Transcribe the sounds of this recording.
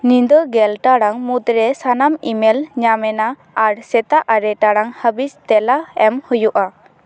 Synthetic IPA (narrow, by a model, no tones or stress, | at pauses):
nind̪ɔɡɛlʈaɽaŋmut̪ɾɛsanamimɛlɲamɛnaː | ɾsɛt̪aʔaɾɛʈaɽaŋhəbist̪ɛlaɛmhujuʔa